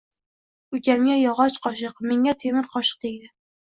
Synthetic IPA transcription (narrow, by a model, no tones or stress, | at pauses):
ɵkʲamɡʲajɒʁɒt͡ʃqʰɒʃ̬ɨqmeŋat̪ʰemɪɾqʰɒʃɨ̥q̚ed̪ɪ